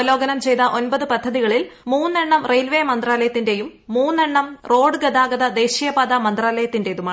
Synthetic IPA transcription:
lo̞ːɡɐnɐmt͡ɕe̞jt̪ɐʔonbɐðɨpɐd̪ʱːɐðiɣɐɭilmuːnːeɳːɐmrejlʋeːmɐnd̪raːlɐjɐt̪ːinde̞jumːuːnːeɳːɐmro̞ːɖɨɡɐd̪aːɡɐðɐd̪e̞ːɕijɐbaːd̪ɐmɐnd̪raːlɐjɐt̪ːinde̞eðuma

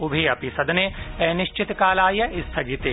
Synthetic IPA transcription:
ubʱeɐpisɐd̪ɐneɛːnɪʃt͡ʃɪt̪kaːlaːjɐʔɪst̪ʰɐɡit̪e

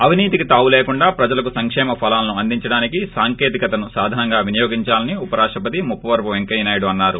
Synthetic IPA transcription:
ɐʋiniːt̪ikit̪aːʋuleːkuɳɖaːpɾɐd͡ʒɐlɐk̬usɐŋkʂɛːmɐpʰɐlaːlɐnuɐnd̪iɲt͡ʃɐɽaːnikisaːŋkeːt̪ikɐt̪ɐnusaːd̪ʱaːnɐŋɡaːʋinɐjoːɡiɲt͡ʃaːlɐniupɐɾaːʂʈɐp̬ɐt̪imupːɐʋɐɾpuʋeŋkɐjnaːjɐɽuɐnːaːɾu

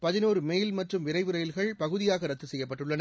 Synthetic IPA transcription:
pɐðɪnoːɾɯmejlmɐʈrɯmʋɪɾɐɪʋɯɾɐjɪlɣɐɭpɐɣɯðɪjaːɣɐɾɐt̪ːɯsɛjːɐp̬ːɐʈːɯɭːɐnɐ

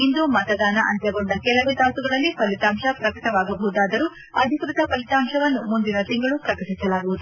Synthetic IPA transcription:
ind̪umɐt̪ɐd̪aːnɐʔɐ̰nt̪jɐɡoɳɖɐkɛlɐʋut̪aːt̪uɡɐɭɐlːipɐlit̪aːmʂɐpɾɐkɐʈɐʋaːɡɐbɐʋud̪aːd̪ɐɾuː | ɐd̪ʱikɾut̪ɐpɐlit̪aːmʂɐʋɐnːumund̪inɐt̪iŋɡɐɭupɾɐkɐʈisɐlaːɡuʋud̪u

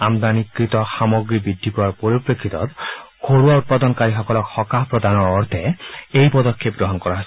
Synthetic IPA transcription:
amd̪anikɾit̪ɔxamɔɡɾibid̪ʱːipuwaɾpɔɾipɾekʰːit̪ɔ̰t̪kʰoɽuaut̪̚pad̪ɔnkaɾiɦɔkɔlɔkhɔkapɾɔd̪ʱanɔɾɔɾt̪ʰeejpɔd̪ɔkʰːepɡɾɔɦɔnkɔɾaɦasʰ

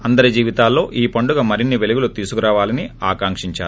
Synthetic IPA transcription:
ɐnd̪ɐɾɐd͡ʒiːʋit̪aːlːo̞ːʔiːpɐɳɖuɡɐmɐɾinːiʋeluɡulut̪iːsukuɾaːʋaːlɐniaːkaːŋkʂiɲt͡ʃa̰ːɾu

